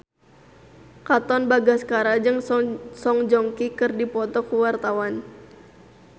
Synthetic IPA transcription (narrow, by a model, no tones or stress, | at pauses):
kat̪ɔnbaɡaskaɾad͡ʒɨŋsɔŋd͡ʒɔŋkikɨrdipɔt̪ɔkuwart̪awan